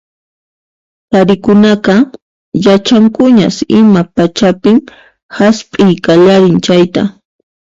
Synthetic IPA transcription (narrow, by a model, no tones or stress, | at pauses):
t̪aɾɪkʊnaqɑ | jat͡ʃaŋkʊɲa̰sɪmapat͡ʃapɪm | haspʼɪjkaʎaɾɪnt͡ʃajt̪a̰